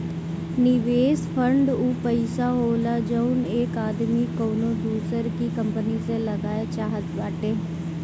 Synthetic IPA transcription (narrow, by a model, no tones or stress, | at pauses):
nɪʋeːspʰəɳɖuːpəɪsaːɦoːlaːd͡ʒəʊnekaːd̪miːkoːnõːd̪uːsəɾkiːkəmpəniːseləɡaːet͡ʃaːɦət̪baːʈeː